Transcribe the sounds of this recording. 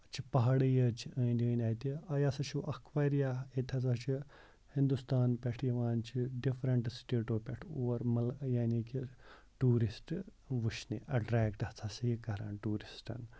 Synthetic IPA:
t͡ʃʰipɐɦɐɽijɐt͡ʃʰiə̃ːnd̪ʲiənʲaːjt̪iɐjɐsɐt͡ʃʰuʔɐkʰʋaːɾijaet̪ʲʰɐt͡sɐt͡ʃʰi | hĩnd̪ust̪aːnpʲɛʈʰjiʋaːnt͡ʃʰiɖifɾɐɳʈsʈeːʈoːpʲɛʈʰoːɾmɐljaːniki | ʈuːɾisʈ | ʋuʃnḭʔɐɖɾɛːkʈɐt͡sʰɐsijikɐɾa̰ːnʈuːɾisʈɐ̰n

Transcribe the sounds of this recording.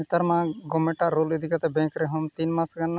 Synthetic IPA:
it̪ɐɾmãɡɔmeʈaʔɾoːled̪ʱikat̪ɛbɛ̃ŋkɾeɦɔmt̪inmasɡanːa

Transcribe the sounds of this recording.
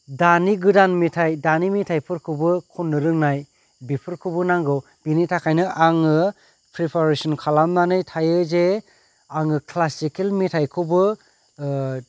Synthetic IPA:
daniɡɯdanmitʰajdanimitʰajpʰɯɾkʰɯbɯkʰunːɯɾɯŋnaj | bipʰɯɾkʰɯbɯnaŋɡɯw | b̥initʰakʰajnɯʔaŋɯ | pʰɾipʰaɾesɔnkʰalamnanɯjtʰajɯze | aŋɯkʰlasikelmitʰajkʰɯwbɯ

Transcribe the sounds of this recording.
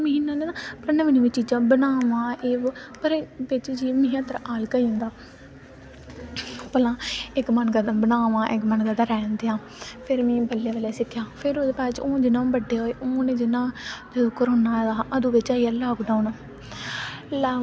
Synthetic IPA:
məɦinːãːnẽːnapənãːʋinĩːʋit͡ʃiːd͡ʒãːbənaːʋãːeːpəɾbɪt͡ʃd͡ʒiːmiːãːt̪əɾaːlkaiʊ̃nd̪aː | pəlãːɪkmənɡəd̪bənaːʋãːʔɪkmənɡəd̪aːɾɛːnd̪eːãː | pʰɪɾmĩːbəlːeːʋəleːsɪkʰːjãːpʰɪɾod̪eːpaːt͡ʃõːd͡ʒɪnãːbəɖːeːɦoːeːʔoːnẽːd͡ʒɪnːãːd͡ʒ̪ed̪ʊkːəɾoːnːaːd̪aːʔəd̪ũːbɪt͡ʃaːiaːlaːɡɖaːun | laː

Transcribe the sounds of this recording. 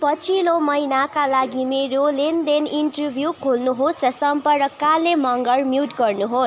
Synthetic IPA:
pʌt͡sʰilomʌjnakalaɡimeɾolend̪eninʈʌrbʱjukʰolnuɦosʌsʌmpʌrrʌkalemʌŋɡʌrmjuʈɡʌrnuɦo

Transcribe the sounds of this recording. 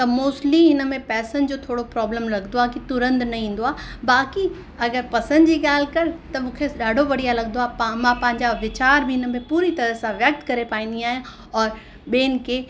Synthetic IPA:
t̪ɐmoːsliɪnə̆mẽpɛːsən̆d͡ʑoːt̪ʰoːɽopɾɔːbləmɾɐɡənd̪oaːkit̪ʊɾə̃nd̪nɐĩːn̆d̪oaː | baːki | ɐɡəɾpɐsə̃nd̪d͡ʑiːɠaːlkɐɾt̪ɐmũːkʰeɗaːɖʱoʋɐɽijalɐɡnd̪oaːpmãpɐ̃ɦɪ̃ɲd͡ʑaʋɪt͡ɕaːɾbʱɪɪnə̆mẽpuːɾit̪ɐɾəɦsãʋjɐk̚t̪kɐɾepaːĩːn̆d̪iaːɦijã | ɔːɾ | ɓeːnɪ̆kʰeː

